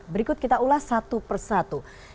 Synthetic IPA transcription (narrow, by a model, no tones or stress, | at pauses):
bəɾikʊt̪̚kit̪aulahsat̪upərsat̪u